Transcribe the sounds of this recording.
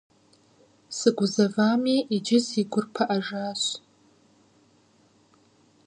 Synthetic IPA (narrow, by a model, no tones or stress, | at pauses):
sɨɡʷʊzavamiʔid͡ʒɪsiɡʷʊrpʰaʔaʐaɕʷ